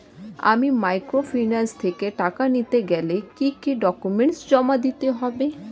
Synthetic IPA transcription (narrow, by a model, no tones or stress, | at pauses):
a̰mimajkɾofʰinalst̪ʰekeʈakanit̪eɡɛlekikiɖɔkumeɳʈsd͡ʑɔmad̪it̪eɦɔbe